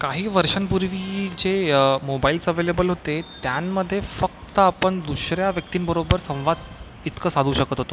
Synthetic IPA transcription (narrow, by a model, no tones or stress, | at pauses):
kaɦiːʋəɾʂənpuɾʋid͡ʑemobaiːlt͡səʋelebəlɦot̪et̪janːəd̪ʱːjefək̚t̪əapəɳd̪uɕɾjaʋjək̚t̪iːnbəɾobəɾsə̃w̃ʋad̪ | it̪kəsad̪ʱuːɕəkət̪ɦot̪o